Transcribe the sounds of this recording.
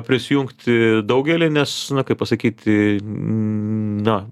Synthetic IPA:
pʲɾʲɪsʲɪjuŋkt̪ʲd̪ɐʊɡʲɛlʲiːnʲɛsnʊkɐɪpɐsɐkʲiːt̪ʲ | nɐ

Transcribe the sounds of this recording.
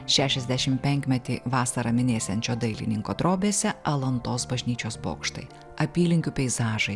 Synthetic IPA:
ʃʲæːʃʲɛzʲd̪ʲæʃʲɪmpʲɛŋʲkʲmʲɛt̪ʲḭːʋɑːsɐɾɐmʲɪnʲeːsʲɛnʲt͡ʃʲoːd̪ɐɪlʲɪ̰nʲɪŋkoːd̪ɾoːbʲeːsʲɛɐlˠɐnt̪oːsbɐʒʲnʲiːt͡ʃʲoːsbo̰ːkʃt̪ɐ̰ɪ | ɐpʲiːlʲɪŋʲkʲupʲɛɪzɑːʒɐɪ

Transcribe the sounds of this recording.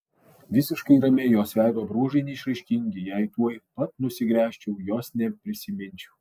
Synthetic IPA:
ʋʲɪsʲɪʃkɐɪɾɐmʲejoːsʲʋʲæɪd̪oːbɾuɔʒɐɪnʲɛɪʃɾɐɪʃʲkʲɪŋʲɡʲɪjɛɪt̪uɔjpɐt̪nʊsʲɪɡɾʲæːʃʲt͡ʃʲɛʊjoːsnʲɛpʲɾʲɪsʲɪmʲɪnʲt͡ʃʲɛʊ

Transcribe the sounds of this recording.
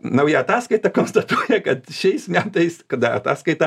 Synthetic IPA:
nɐʊjɛɐt̪ɑːskɐɪt̪ɑkoːnst̪ɐt̪uɔjɛkɐt̪ʃʲɛɪsmʲæːmt̪ɐɪskɐd̪ɐɐ̰t̪ɑːskɐɪt̪ɐ

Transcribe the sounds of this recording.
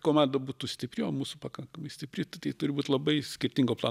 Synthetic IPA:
koːmɑːnd̪ɐbuːt̪ʊsʲt̪ʲɪpʲɾʲɪoːmuːsʊpɐkɐŋkɐmɐɪsʲt̪ʲɪpʲɾʲɪt̪t̪ɐɪt̪ʊɾʲɪbuːt̪ʲlˠɐbɐɪsʲkʲɪɾʲt̪ʲiŋɡoːplˠɑ̰aː

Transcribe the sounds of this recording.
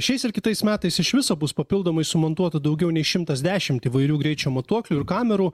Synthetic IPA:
ʃʲɛɪsɪɾkʲɪt̪ɐɪsmʲæːt̪ɐɪsɪʃʋʲɪsoːbʊspɐpʲɪlˠd̪oːmɐɪsʊmɐnt̪uɔt̪ɐd̪ɒʊɡʲɛʊnʲɛɪʃʲɪmt̪ɐsd̪ʲæːʃʲɪmt̪iːʋɐɪɾʲuːɡɾʲɛɪt͡ʃʲuːmɐt̪uɔklʲuːɪɾkɑːmʲɛɾuː

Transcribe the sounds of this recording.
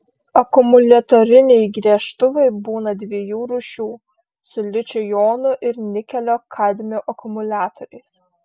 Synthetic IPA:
ɐkʊmʊlʲɛt̪oːɾʲɪnʲɛɪɡɾʲiɛʃt̪ʊʋɐɪbuːnɐd̪ʲʋʲiɛjuːɾuʃʲuː | sʊlʲɪt͡ʃʲojoːnʊʔɪɾnʲɪkʲɛlʲoːkʰɑd̪ʲmʲoːʔɐkʊmʊlʲæːt̪ɔɾʲɛɪs

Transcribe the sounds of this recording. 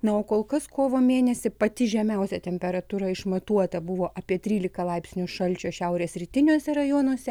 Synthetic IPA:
nɐoːkoːlˠkɐskoːʋoːmʲeːnʲɛsʲɪpɐt̪ʲɪʒʲɛmʲɛʊsʲɛt̪ʲɛmʲpʲɛɾɐt̪uɾɐɪʃmɐt̪uɔt̪ɐbʊʋoːʔɐpʲiɛt̪ʲɾʲiːlʲɪkɐlˠɐɪpʲsʲnʲʊʃɐlʲt͡ʃʲoːʃʲɛʊɾʲeːsɾʲit̪ʲɪnʲuɔsʲɛɾɐjoːnuɔsʲɛ

